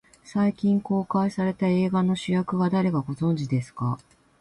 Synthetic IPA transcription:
saikʲĩŋko̞ːkaisaɾe̞t̪ae̞ːɡano̞ɕijakɯ̟ɡad̪aɾe̞ɡaɡo̞zõ̞ɲ̟d͡ʑid̪e̞sɨ̥ka

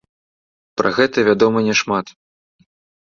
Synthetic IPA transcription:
pɾʔɐ̰ɣɛt̪ɐvʲad̪ɔmɐnʲɛʂmat̪

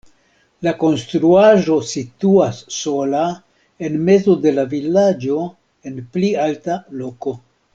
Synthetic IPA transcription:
lako̞nstɾuaʒo̞situasːo̞la | e̞nme̞zo̞de̞lavilad͡ʒo̞ | e̞nplialtalo̞ko̞

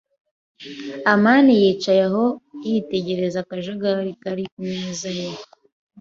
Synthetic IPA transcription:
amaːnijiːt͡ʃajaɦo̞jite̞ɟe̞ɾe̞zakaʒoɡaɾikaɾikumɲeːzaje

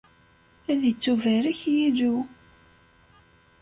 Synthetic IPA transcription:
æðjət͡sːuvæɾəçjiðu

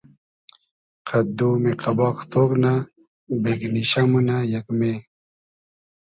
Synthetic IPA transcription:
qʰɐd̪umeqɐbaːqt̪okna | bekniɕamunajɐkme

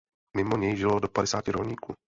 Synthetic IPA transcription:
mɪmo̞ɲɛjʒɪlodopadɛsaːcɪɾolɲiːkuː

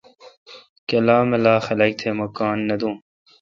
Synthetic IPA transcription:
kɐlaːmɐlaːxɐlɐk̚t̪ʰeːmɐkaːnːɐd̪ũː

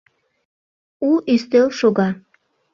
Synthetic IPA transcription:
uʔist̪elˠʃoɡɑ

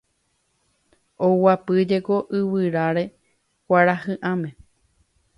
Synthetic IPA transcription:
owapɨd͡ʒekoʔɨwɨɾaɾe̞ | kʷaɾahɨ̃ʔãmẽ

